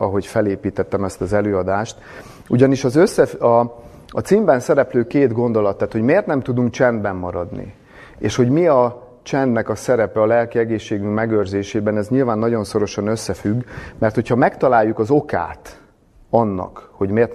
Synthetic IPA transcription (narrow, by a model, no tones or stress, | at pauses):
ɒɦo̞cfɛleːpiːt̪ɛt̪ːɛmɛst̪ɒzɛløːɒd̪aːʃt̪ | uɟɒniʃɒzøsːɛfɒ | ɒt̪siːmbɛnsɛɾɛpløːkeːd̪ɡo̞nd̪o̞lɒt̪ːaːt̪ho̞ɟmeːrt̪nɛmt̪ud̪uŋk̚t͡ʃɛnd̪bɛmːɒɾɒd̪nḭ | ḛːʃho̞ɟmiɒ | t͡ʃɛnd̪nɛkɒsɛɾɛpɛɒlɛlkiɛɡeːʃːeːɡyŋkmɛɡøːrzeːʃeːbɛnɛzɲilvaːnːɒɟo̞nso̞ɾo̞ʃɒnø̞sːɛfyɡːmɛrt̪ho̞chɒmɛkt̪ɒlaːjːukɒzo̞ka̰ːt̪ | ɒnːɒ̰kho̞ɟmeːrt̪